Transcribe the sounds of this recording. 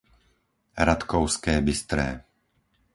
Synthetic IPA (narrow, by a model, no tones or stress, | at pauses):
ɾat̪kɔʊskɛːbist̪ɾɛ̰ː